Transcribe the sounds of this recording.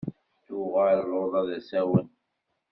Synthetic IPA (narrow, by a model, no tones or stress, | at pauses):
t̪uʁalˤoðˤɑðæsæwən